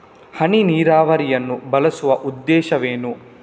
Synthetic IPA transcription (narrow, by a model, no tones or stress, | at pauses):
hɐɳiniːɾaːʋɐɾijɐnːubɐlɐsuʋɐʔud̪ːɛːʃɐʋeːnu